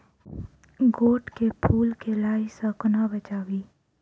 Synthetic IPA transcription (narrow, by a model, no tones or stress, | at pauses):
ɡoːʈkepʰuːlkelaːisəknabət͡ʃaːwiː